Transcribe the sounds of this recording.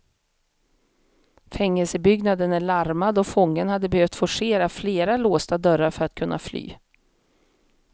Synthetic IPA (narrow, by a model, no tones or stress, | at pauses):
fɛŋːɛlsəbʏɡnad̪ənæɭaɾmad̪ɔfɔŋːənhad̪ːəbɛhœvt̪fɔʂeːɾafleːɾaloːst̪ad̪œɾːaɾfœɾat̪kʰɵnːa̰fly̰ː